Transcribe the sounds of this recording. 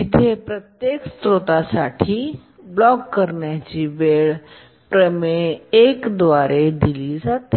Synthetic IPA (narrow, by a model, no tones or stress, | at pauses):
ɪt̪ʰepɾət̪jeːkst̪ɾot̪asaːʈʰi | blɔːkkəɾnjat͡ʃibeːɭ | pɾəmeeːkd̪ʋaːɾed̪ɪlizaːt̪e